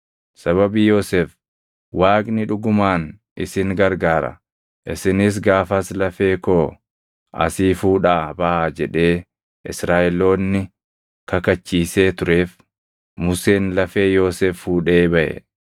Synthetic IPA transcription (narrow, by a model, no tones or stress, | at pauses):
sɐβɐbiːjo̞ːsef | waːknɪᶑʊɡʊmaːn | ʔɪ̰sɪŋɡɐɾɡaːɾɐ̰ | ʔɪsɪnɪs̬ɡaːfɐslɐfe̞ːkoː | ɐ̰siːfuːᶑaːbɐʔaːd͡ʒɛᶑe̞ː | ʔɪsɾaːʔɛlo̞ːnːɪ | kɐkɐt͡ʃːiːse̞ːt̪ʊɾe̞ːf | mʊseːnlɐfe̞ːjo̞ːseːfhuːᶑe̞ːbɐʔɛ̰